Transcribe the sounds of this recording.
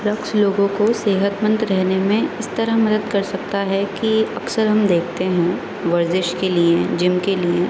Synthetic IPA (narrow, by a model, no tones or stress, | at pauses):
ɾɐksloːɡõkoseːɦət̪mə̃nt̪ɾɛɦnemẽɪst̪ɐɾəɦmɐd̪əd̪̚kɐɾsɐk̚t̪aɦɛkiɐksəɾɦɐmd̪eːkʰt̪eɦɛ̃ | ʋɐɾzɪʃkelied͡ʒɪmkelie